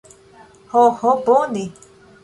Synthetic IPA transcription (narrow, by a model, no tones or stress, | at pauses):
hohoponĩ